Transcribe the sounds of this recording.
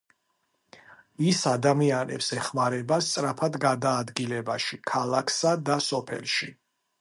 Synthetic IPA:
isad̪amianɛ̰psɛχmaɾɛbast̪sʼɾapʰad̪ɡad̪aːd̪ɡilɛbaʃikʰalˠakʰsad̪asɔpʰɛ̰lˠʃi

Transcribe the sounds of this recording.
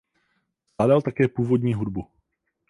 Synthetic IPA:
aːdalt̪akɛːpuːvodɲiːɦudbu

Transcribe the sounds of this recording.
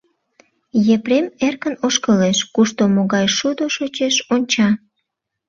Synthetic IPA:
jepɾemerkənoʃkəleʃkuʃt̪omoɣɑjʃud̪oʃot͡ɕeʃonʲt͡ɕɑ

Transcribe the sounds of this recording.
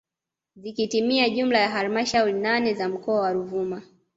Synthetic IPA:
zikitimiaʄum̩lajaɦalimaʃauɾinanɛzam̩kɔawaɾuvuma

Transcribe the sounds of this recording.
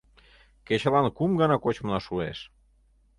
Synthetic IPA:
ket͡ɕəlɑnkumɡɑnɑkot͡ɕmənɑʃueʃ

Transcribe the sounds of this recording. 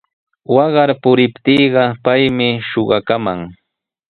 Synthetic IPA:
wɑɢɑɾpʊɾɪpt̪iːɢɑpajmɪʃoɢɑkamaŋ

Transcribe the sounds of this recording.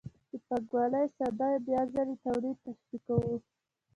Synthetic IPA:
d̪̥əpaɡwɑləjsad̪ɑjbjɑzalet̪awɾit̪asb̪ikawu

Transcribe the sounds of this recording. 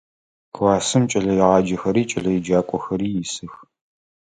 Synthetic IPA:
kʰwɑːsɨmt͡ʃʼɐɮɐjɪʁɑːd͡ʒɐxɐɾiːt͡ʃʼɐɮɐjɪd͡ʒaːkʷʼɔxɐɾiːjɪsɨx

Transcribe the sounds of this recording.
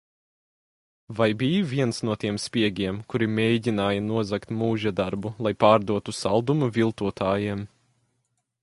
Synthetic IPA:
vajbijvʲiɛnsnuɔt̪iɛmspʲiɛɡʲiɛmkuɾimʲejɟʲinaːjɐnuɔzakt̪muːʒad̪aɾbulˠajpaːɾd̪uɔt̪usalˠd̪umuvʲilˠt̪uɔt̪ʰaːjiɛm

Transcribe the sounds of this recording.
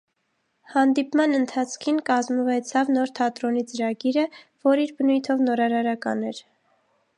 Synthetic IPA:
hɑnd̪ipmɑnənt̪ʰɑt͡sʰkʰinkɑzməvɛt͡sʰɑvnɔɾt̪ʰɑt̪ɾɔnit͡səɾɑɡiɾəvɔɾiɾbənujt̪ʰɔvnɔɾɑɾɑɾɑkɑ̰nɛɾ

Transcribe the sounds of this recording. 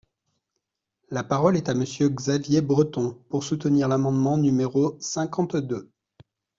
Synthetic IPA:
lapaʁɔlɛt̪aməsjøɡzavjebʁət̪ɔ̃puʁsut̪əniʁlamɑ̃d̪mɑ̃nymeʁosɛ̃kɑ̃t̪d̪ø

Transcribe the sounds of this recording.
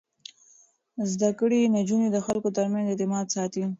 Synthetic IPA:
zd̪akəɽinad͡ʒunid̪əxalkot̪əɾmanzet̪ɪmɑd̪sɑt̪i

